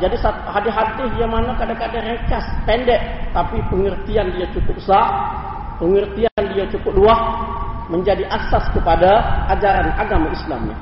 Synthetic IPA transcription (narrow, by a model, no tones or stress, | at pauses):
d͡ʒadisa | hadiɦat̪ɪiamanakadakadaŋjaŋt͡ʃaspɛndɛʔ̚t̪apipəŋərt̪iandiat͡ʃukʊp̚saʔ | pəŋərt̪iandiat͡ʃukʊp̚luahməɲd͡ʒadiʔaksaskəpadaʔad͡ʒaɾanaɡamaisla̰mnḭ